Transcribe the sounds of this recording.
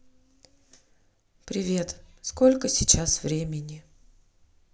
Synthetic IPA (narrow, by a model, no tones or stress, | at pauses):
pɾʲɪvʲe̞t̪sko̞lʲkəsʲɪt͡ɕasvɾʲemʲɪnʲɪ